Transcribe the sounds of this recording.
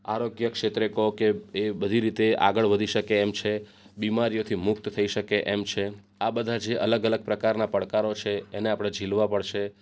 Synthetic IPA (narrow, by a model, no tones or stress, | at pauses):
aɾoɡjəkʃet̪ɾekokeebəd̪ʱiɾit̪ea̰ɡəɭʋəd̪ʱiʃəkeːmt͡ʃʰe | bimaɾijot̪ʰimʊk̚t̪t̪ʰəiʃəkeʔɛmt͡ʃʰe | abəd̪ʱad͡ʒeʔələɡələɡ̚pɾəkaɾnapəɽkaɾot͡ʃʰeːneapɽ̃ed͡ʒʱilʋapəɽʃe